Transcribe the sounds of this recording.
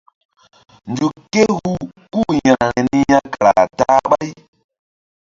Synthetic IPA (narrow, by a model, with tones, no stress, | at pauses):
nd͡ʒu˨ke˦hu˦ku˦˨jã˨na˨ɾe˨ni˦ja˦ka˨ɾa˨ta˦ɓa˦j